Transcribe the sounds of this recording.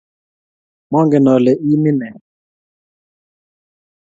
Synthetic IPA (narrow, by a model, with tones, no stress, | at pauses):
mɔ˦ŋɡɛ˨nɔ˨lɛ˨ʔi˦mi˦nɛ˨